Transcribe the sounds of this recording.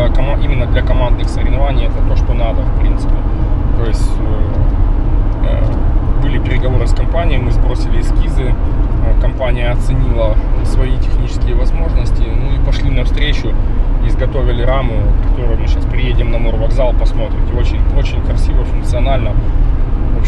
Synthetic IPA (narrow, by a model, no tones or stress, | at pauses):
kɐmʔimʲɪnːəd̪lʲɐkɐmand̪nɨxsəɾʲɪvnɐvanʲɪjɛt̪ət̪o̞ʂt̪o̞nad̪əfpɾʲḭnt̪sɨ̥pʲɪt̪o̞jɪsʲ | bɨlʲɪpʲɪɾʲɪɡɐvo̞ɾɨskɐmpanʲɪjəjmɨzbɾo̞sʲɪlʲɪːskʲizɨkɐmpanʲɪjəɐt̪sɨnʲilˠəsvɐitʲɪxnʲit͡ɕɪ̥skʲɪjəvɐzmo̞ʐnəsʲtʲɪnuipɐʂlʲinɐfst̪ɾʲet͡ɕʊɪzɡɐt̪o̞vʲɪlʲɪɾamʊkɐ̥t̪o̞ɾʊjʊmɨɕaspɾʲɪjedʲɪmnɐmorvɐɡzalˠpɐsmo̞t̪ɾʲɪtʲɪo̞t͡ɕɪnʲo̞t͡ɕɪnʲkɾɐsʲivəfʊnk̚t̪sɨɐnalʲnə | op